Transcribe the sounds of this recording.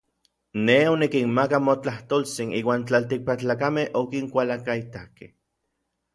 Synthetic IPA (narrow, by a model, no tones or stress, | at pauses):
neonikinmakamot͡ɬaht̪olt͡siniːwaːnt͡ɬalt̪ik̚pakt͡ɬaːkamehokiŋkʷalakait̪akeh